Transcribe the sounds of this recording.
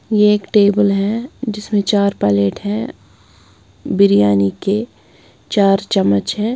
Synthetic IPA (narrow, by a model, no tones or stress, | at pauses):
jeeːkʈeːbəlɦɛ̃d͡ʒɪsmẽt͡ʃaːɾpɛːleːʈɦɛ̃ | bɪɾijaːnike | t͡ʃaːɾt͡ʃɐmːət͡ʃɦɛ̃ː